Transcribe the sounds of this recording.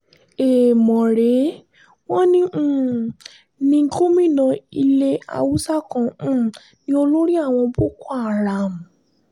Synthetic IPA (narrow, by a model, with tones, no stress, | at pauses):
e˨mɔ̃˨ɾe˨˦ | w̃ɔ̃˦nĩ˦˨ | nĩ˧ŋ̩˦ko˦mĩ˦˨nã˧i˧le˦a̰˧wu˦sa˦kã˨˦˨ | nĩ˧o˧lo˦ɾi˦a˦˨w̃ɔ̃˧bo˦ku˦a˦˨ɾa˨m̩˨